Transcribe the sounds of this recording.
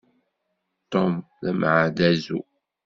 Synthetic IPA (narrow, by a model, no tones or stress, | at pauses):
t̪omðæmʕad̪æzṵ